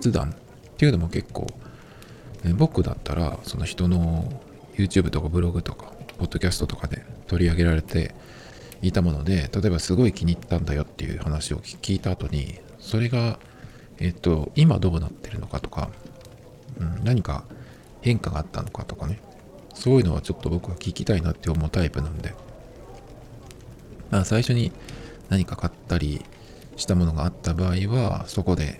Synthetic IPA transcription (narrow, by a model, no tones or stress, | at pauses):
t͡sɨd̪ã̰n | t̪e̞jɯ̟no̞mo̞ke̞kːo̞̰ː | bo̞kːɯ̟d̪a̰t̪ːaɾa̰so̞no̞çi̥t̪o̞no̞ | jɯ̟ːt͡ɕɨːbɯ̟t̪okabɯ̟ɾo̞ɡɯ̟t̪o̞kḁpo̞d̪ːo̞kʲasɨ̥t̪o̞t̪o̞kad̪e̞̰t̪o̞ɾʲiaɡe̞ɾaɾe̞t̪e̞̰ | it̪amo̞no̞d̪e̞t̪at̪o̞e̞basɨɡo̞ikʲiɲ̟it̪ːãnd̪ajo̞t̪ːe̞jɯ̟̰ːhanaɕio̞̰kʲiːt̪aːt̪o̞ɲ̟ḭ | so̞ɾe̞ɡa | e̞t̪ːo̞ima̰d̪o̞ːnat̪ːe̞ɾɯ̟no̞kat̪o̞̥ka̰ | ɯ̟̃ɴnaɲ̟ika̰ | hẽ̞ŋkaɡaːt̪ːa̰no̞kat̪o̞kane̞ | so̞ːjɯ̟no̞βa̰t͡ɕo̞t̪ːo̞bo̞kɯ̟βakʲikʲit̪ainat̪ːe̞omo̞t̪aipɯ̟nãnd̪e̞ | masaiɕo̞ɲ̟i | naɲ̟ikakat̪ːaɾʲḭ | ɕi̥t̪amo̞no̞ɡaːt̪ːabaːiβaso̞ko̞d̪e̞̰